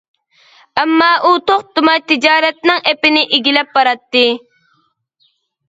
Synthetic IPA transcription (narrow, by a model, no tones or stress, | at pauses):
ɛmːɑːʔut̪oχt̪ʊmɑjt̪ɪd͡ʒɑːɾɛt̪̚nɪŋepɪnɪʔiɡʲilɛp̚bɑɾɑt̪ːɨ